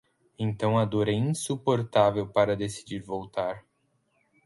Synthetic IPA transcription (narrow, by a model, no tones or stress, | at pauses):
ẽt̪ɐ̃w̃ɐd̪ɔɾɛĩsupoɾt̪avewpaɾɐd̪esi̥d͡ʒiɾvowt̪aɾ